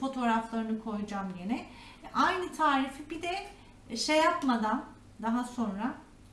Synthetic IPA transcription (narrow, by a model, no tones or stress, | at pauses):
fo̞t̪ʰo̞ːɾaflˠaɾɯnɯkʰo̞jud͡ʒamjenɛʔajnɯt̪ʰaːɾifibid̪ɛ | ʃejapmad̪an | d̪aɦaso̞nɾa